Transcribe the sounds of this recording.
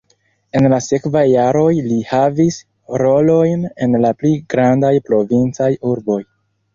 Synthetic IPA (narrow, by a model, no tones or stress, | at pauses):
e̞nlase̞kvajːaɾo̞jlihavis | ɾo̞lo̞jne̞nlapliɡɾandajpɾo̞vint͡sajuɾbo̞j